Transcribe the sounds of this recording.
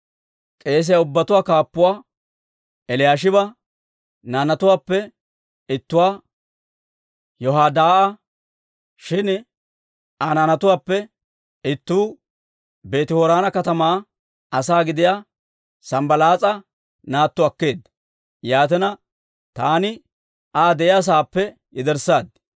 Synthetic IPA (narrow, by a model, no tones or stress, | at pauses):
kʼe̞ːs̬ɪjaʊbːɐt̪ʊwaːkaːpːʊwaː | ɛlɪjaːʃ̬ɪbɐ | naːnɐt̪ʊwaːpːɛ | ɪt̪ːʊwaː | jɔɦaːd̪aːʔɐ | ʃɪn | ʔananɐt̪ʊaːpːɛ | ɪt̪ːuː | be̞ːt̪ɪhoːɾaːnɐkɐt̪ɐmaː | ɐsaːɡɪd̪ɪja | sɐmbɐlaːt͡sʼɐ | naːt̪ːʊɐkːe̞ːd̪ːɐ | jaːt̪ɛnɐ | t̪aːnɪ | ʔaːd̪ɛʔɪjas̬aːpːɛ | jɛd̪ɛɾsaːd̪̚